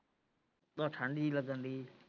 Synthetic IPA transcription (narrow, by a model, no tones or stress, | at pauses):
ɗ̪ɔːʈʰə̃ɳɖiːləɡənd̪iː